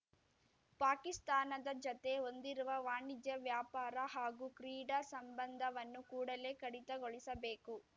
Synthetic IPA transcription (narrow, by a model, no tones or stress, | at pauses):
paːkist̪aːnɐd̪ɐd͡ʒot̪e̞o̞nd̪iɾuʋɐʋaːɳid͡ʒ̪jɐʋjaːpaːɾɐɦaːɡukɾiːɽɐsɐmbɐnd̪ʱɐʋɐnːukuːɽɐle̞ːkɐɽit̪ɐɡoɭisɐbeːku